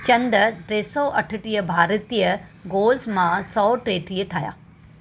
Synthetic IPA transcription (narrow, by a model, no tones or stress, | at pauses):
t͡ɕɐ̃nd̪ʈɾeːsɔːʔɐʈʰəʈijəbʱaːɾt̪ijəɡoːlsmãsɔːʈɾeːʈiːəʈʰaːɦja̰ː